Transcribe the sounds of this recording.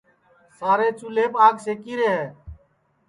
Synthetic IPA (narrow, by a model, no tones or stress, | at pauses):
saːɾeːt͡ʃuːleːbaːɡseːkiːɾeːɦeː